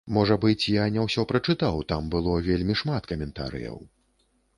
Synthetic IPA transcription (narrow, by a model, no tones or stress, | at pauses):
mɔʐɐbɨt͡sʲjanʲɛwsʲɔpɾɐt͡ʂɨt̪awt̪ambɨlˠɔvʲelʲmʲiʂmat̪kɐmʲɛnt̪a̰ɾɨ̰jɐ̰w